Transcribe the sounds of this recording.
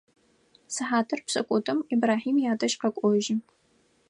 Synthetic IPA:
sɨħaːtʰɨrpsʼɐkʷʼɔtʰʼɨmibraːħiːmjaːdɐʃqɐkʷʼɔʒɪ

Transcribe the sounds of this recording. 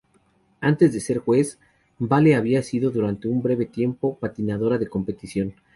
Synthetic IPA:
ant̪ezðe̞se̞ɾxwe̞s | baleaβiasiðo̞ðuɾant̪e̞umbɾe̞βe̞t̪je̞mpo̞pat̪inaðo̞ɾaðe̞ko̞mpe̞t̪isjo̞n

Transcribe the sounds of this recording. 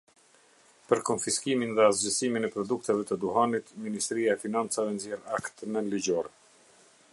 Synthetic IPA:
pəɾkɔnfiskiminðɛzd͡ʑəsiminɛpɾɔd̪uk̚t̪ɛvɛt̪əd̪uɦanit̪minist̪ɾiaɛfinant͡savɛnzjɛɾakt̪əmɛliɟɔɾɛ

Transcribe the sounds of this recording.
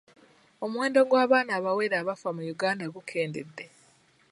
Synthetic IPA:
o̞mwe̞ːndo̞ɡwaːβaːnaːβawe̞ɾaːβafamujuɡaːndaɡukʰe̞ːnde̞̰dːe

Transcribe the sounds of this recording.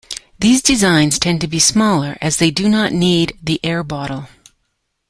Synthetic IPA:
ðizdɨzãɪ̃nz̥tʰɛ̃ntɨbismɔlˠə˞ʔɨzðeɪdɨnəʔⁿnid̪̚ðiʔɛɹbɑɾl̩ˠ

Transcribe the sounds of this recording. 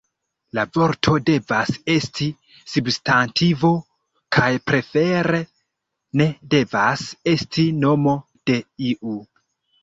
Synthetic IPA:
lavo̞ɾtʰo̞de̞vase̞stʰi | substantʰivo̞ | kʰajpɾe̞fe̞ɾe̞ | ne̞de̞vase̞stʰino̞mo̞ | d̥e̞iʔu

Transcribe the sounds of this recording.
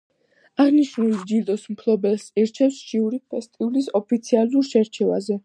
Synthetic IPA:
aʁniʃnuld͡ʒild̪ɔsmpʰlˠɔbɛlsiɾt͡ʃʰɛfsʃʰiuɾipʰɛst̪ʼiulisɔpʰit̪sʰialuɾʃɛɾt͡ʃʰɛva̰zɛ

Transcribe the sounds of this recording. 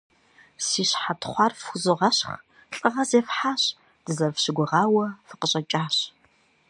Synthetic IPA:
siːɕħatʰχʷɑrfuzɨʁɐɕχ | ɬʼɨʁɐzeːfħaːɕ | d̥ɨzɐrfɕɪɡʷʊʁɑːwɐfɨ̥qəɕʼɐt͡ʃʼaːɕ

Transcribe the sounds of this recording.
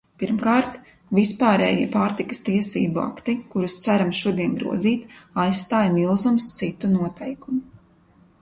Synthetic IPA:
piɾmkaːɾt̪ | vispaːɾɛ̰ːjiɛpaːɾt̪ikɐ̥st̪iɛsḭːbua̰kt̪ikuɾust̪sæɾamʃuɔd̪iɛnɡɾṵɔziːt̪ajsst̪aːjmilˠzumst̪sit̪unuɔt̪ʰɛjkumu

